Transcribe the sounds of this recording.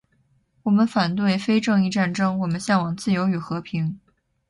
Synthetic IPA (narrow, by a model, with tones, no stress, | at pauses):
wɔ˨˩mə˦nfa˨˩nt̪we˥˩ɪfe˥ɪʈ͡ʂɤ˥˧ŋi˥˧ʈ͡ʂa˥˩˧nʈ͡ʂɤ˥ŋwɔ˨˩mə˦nɕjɑ˥˩ŋwɑ˨˩ŋt͡sɹ̩˥˩jo˧˥ʊy˨˩xɤ˧˥pʰi˧˥ŋ